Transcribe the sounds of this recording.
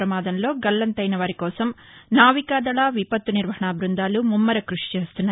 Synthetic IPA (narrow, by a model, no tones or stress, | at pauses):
ɾɐmaːd̪ɐmlo̞ːɡɐlːɐnt̪ɐjnɐʋaːɾikɔːsɐm | naːʋikaːd̪ɐɭaːʋipɐt̪ːuniɾʋɐɦɐɳaːbɾund̪aːlumumːɐɾɐkɾuʂi̥t͡ʃe̞ːst̪unːaː